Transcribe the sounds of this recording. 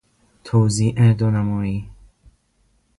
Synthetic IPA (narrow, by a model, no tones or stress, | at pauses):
t̪ʰoːziːʔɛd̪onæmɔːiː